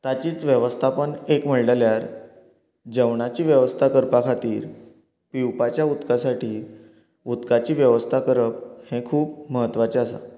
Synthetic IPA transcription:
t̪at͡ɕiːt͡sʋjəʋəst̪ʰapəɳekm̤əɭɽəljaɾ | d͡ʑəʋɳat͡ɕiːʋjəʋəst̪ʰakəɾpakʰat̪iːɾ | piwpat͡ɕjaut̪kasaʈʰiː | ut̪kat͡ɕiːʋjəʋəst̪ʰakəɾəphẽkʰuːpməɦət̪ːʋat͡ɕeasa̰

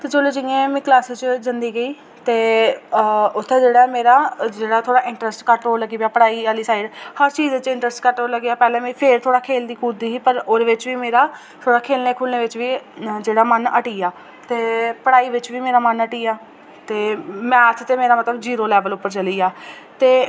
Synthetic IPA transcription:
t̪eːd͡ʒoloːd͡ʒɪẽːmĩːklaːsɪt͡ʃd͡ʒənd̪iːɡəiː | t̪eː | ʊt̪ʰːẽːd͡ʒeːɽaːɛːmeːɾaːd͡ʒeːɽaːt̪ʰoːɽaːʔɪ̃ɳʈɾəsʈkəʈɾoːlːəɡiːbjaːpəɽaːiːaːliːsaːɪɖhəɾt͡ʃiːzt͡ʃɪ̃ɳʈɾəsʈkəʈɾoːləɡaːpɛːlẽːmɛ̃pʰeɾt̪ʰoːɽaːkʰeːld̪iːkuːd̪iːsiːpəɾoːɾeːʋɪt͡ʃʋiːmeːɾaː | t̪ʰoːɽaːkʰeːlneːkʰuːlneːʋɪt͡ʃʋiːd͡ʒeːɽaːmənəʈiːaː | t̪eːpəɽaːiːʋɪt͡ʃʋiːmeːɾaːmənəʈiːaː | t̪eːmɛ̃ːət̪ʰt̪eːmeːɾaːmət̪ləbd͡ʒiːɾoːlɛːʋəlʊpːəɾt͡ʃəliːaː | t̪eː

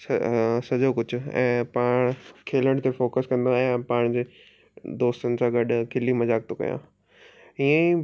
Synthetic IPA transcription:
sɐd͡ʑokʊd͡ʑʱʊ̆ɛ̰̃ːpaːɽ̃kʰeːləɽ̃t̪efoːkəskɐ̃nd̪aɛ̃paːɽ̃d͡ʑeː | d̪oːst̪ənɪ̆sãːɡɐɗ̆ʱkʰɪlimɐzaːk̚t̪ʰokɐ̰jã̰ː | iə̃ĩ

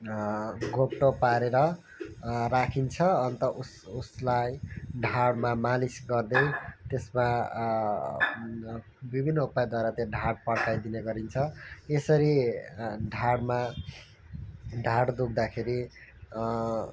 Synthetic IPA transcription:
ɡopʈopaɾeɾʌ | rakʰint͡sʰʌʌnt̪ʌʔususlajɖʱaɽmamalisɡʌrd̪ʌjt̪esma | bibʱinːʌupajd̪waeɾat̪jãɖʱaɽpʌɽkajd̪ineɡʌɾint͡sʰʌesʌɾi | ɖʱaɽma | ɖʱaɽd̪uk̚ʰd̪akʰeɾi

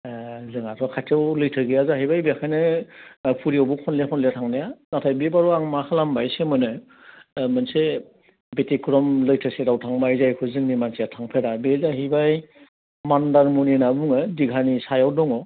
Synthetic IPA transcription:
zɯŋatʰɔkʰajtʰawlɯjtʰɯɡijazaɦibajbeakʰajnɯ | pʰuɾiɔwbɔkʰɔnlekʰɔnleatʰaŋnajanatʰajbebaɾɔaŋmakʰalambajsemɯnɯ | mɯnse | betikʰɾɔmlɯjtʰɯseɾawtʰaŋmajzajkʰɯzɯŋnimansijatʰaŋpʰeɾabezaɦibaj | mandaɾmuninabuŋɯdiɡʱanisajawdɔŋɔ

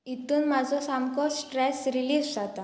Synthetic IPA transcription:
it̪uːnmad͡zʱɔsamkɔsʈɾɛsɾiliːd͡zd͡zat̪a

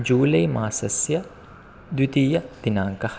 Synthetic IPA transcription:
d͡ʒuːlɐjmaːsɐsjɐ | d̪it̪iːjɐd̪̥inaːŋkɐh

